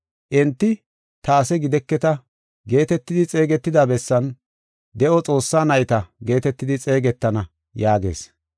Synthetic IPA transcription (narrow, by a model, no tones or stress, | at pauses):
ʔɛnt̪ːɪ | t̪ɐːsɛɡɪd̪ɛkːɛt̪ɐ | ɡe̞ːt̪ɛt̪ːɪd̪ɪt͡sʼe̞ːɡɛt̪ːɪd̪aːbɛsːɐn | d̪ɛʔɔt͡sʼo̞ːsːaːnɐjɪt̪ɐɡe̞ːt̪ɛt̪ːɪd̪ɪt͡sʼe̞ːɡɛt̪ːɐnɐ | jaːɡe̞̰ːs